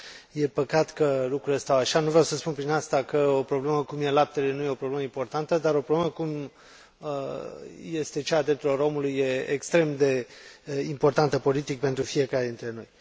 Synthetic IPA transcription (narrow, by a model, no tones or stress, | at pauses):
je̞pəkat̪kəlukɾuɾlest̪awaʃanuvɾeawsəspunpɾinast̪akəo̞pɾo̞ble̞məkumje̞lap̚t̪elenuje̞o̞pɾoble̞məimpo̞rt̪ant̪əd̪aɾo̞pɾobleməkum | je̞st̪e̞t͡ʃaːd̪ɾept̪ulo̞ɾo̞mulujːe̞ekst̪ɾe̞md̪e̞ | impo̞rt̪ant̪əpo̞lit̪ik̚pe̞nt̪ɾufie̞kaɾed̪int̪ɾe̞no̞j